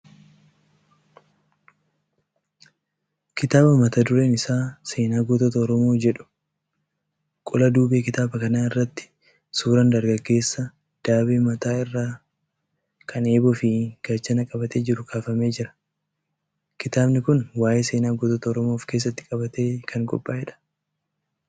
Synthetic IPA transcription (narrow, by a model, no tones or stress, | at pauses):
kɪt̪aːbɐmɐt̪ɐd̪ʊɾe̞ːnɪsaːse̞ːnaːɡɔt̪ɔt̪ɐɔɾɔmo̞ːd͡ʒɛᶑʊ̥ | kʼʊlɐd̪uːbe̞ːkɪt̪aːbɐkɐnaːɪrːɐt̪ːɪ̥ | suːɾɐnd̪ɐɾɡɐɡːe̞ːsːɐ | d̪̥aːbeːmɐt̪aːɪrːaː | kʰɐne̞ːbɔfɪɡ̥ɐt͡ʃːɐnɐkʼɐbɐt̪eːd͡ʒɪɾʊkaːfɐme̞ːd͡ʒɪɾɐ̥ | kɪt̪aːbnɪkʊnwaːjeːse̞ːnaːɡɔt̪ɔt̪ɐɔɾɔmoːfke̞ːs̬ːɐt̪ːɪ̥kʼɐbɐt̪e̞ːkʰɐŋkʼɔ̰pʼːaːɛᶑɐ̥